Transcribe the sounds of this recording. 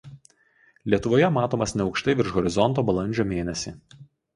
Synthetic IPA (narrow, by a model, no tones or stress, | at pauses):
lʲiɛt̪ʊʋoːjɛmɑːt̪oːmɐsnʲɛɒʊkʃt̪ɐɪʋʲɪɾʃɣɔɾʲɪzɔnˑt̪oːbɐlˠɐnʲd͡ʒʲoːmʲeːnʲɛsʲi